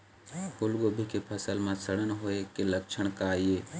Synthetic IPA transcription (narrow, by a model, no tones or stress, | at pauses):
hʊlɡobʱikepʰəsəlmãsəɽənɦoekeləkt͡ʃʰəɽ̃kaːieː